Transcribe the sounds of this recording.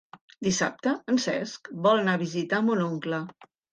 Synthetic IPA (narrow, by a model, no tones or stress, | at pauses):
d̪isa̰p̚t̪əənsɛ̰skbɔlˠnaβizit̪amunoŋklə